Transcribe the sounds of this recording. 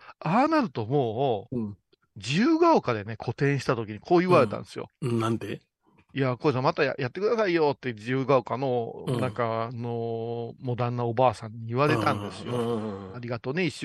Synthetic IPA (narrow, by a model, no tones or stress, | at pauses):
aːnaɾɯ̟t̪o̞mo̞ː | d͡ʑiɯːɡaokad̪e̞ne̞kʰo̞t̪ẽ̞ɰ̃ɕi̥t̪at̪o̞kʲiɲ̟ikʰo̞ːiɯβaɾe̞t̪ã̰nd̪esɨjo̞̰nãnd̪e | iako̞s̬ãmat̪aja̰jat̪ːe̞kɯ̟d̪asaijo̞t̪ːe̞d͡ʑiɯːɡaokanonãŋkanomo̞d̪ãnːaobaːsãɲ̟ːiːβaɾe̞t̪ãnd̪e̞sɨjoaɾʲiɡat̪oːneiɕ